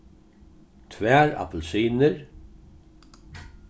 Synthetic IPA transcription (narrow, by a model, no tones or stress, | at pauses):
t̪ʰvæːɾa̰pl̩siːnəɹ